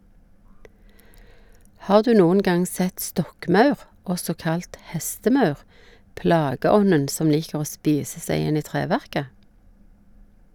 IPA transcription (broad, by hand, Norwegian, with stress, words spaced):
ˈhɑːʁ ˈdʉː ˈnuːən ˈɡɑŋ ˈsɛt ˈstɔkˌmɑʉʁ ˈɔsɔ ˈkɑlt ˈhɛstəˌmɑʉʁ ˈplɑːɡəˌɔnən ˈsɔm ˈliːkəʁ ˈoː ˈspiːsə ˈsæɪ ˈɪn ˈiː ˈtʁeːˌʋæʁkə